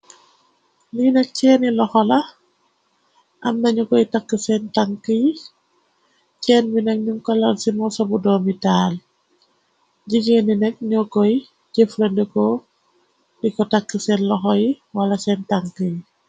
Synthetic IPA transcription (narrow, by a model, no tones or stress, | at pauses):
linɛk̚cɛːnilɔxɔlɐ | ʔɐmnɐɲukɔjtakːəsɛntaŋkəji | cɛːnbinɐk̚ɲuŋkɔlɐnsimɔsɔbudɔːmitaːl | ɟiɡeninɛk̚ɲɔkɔj | ɟeflɐndikɔ | dikɔtakːisɛnlɔxɔjiwɐlɐsɛntaŋkəji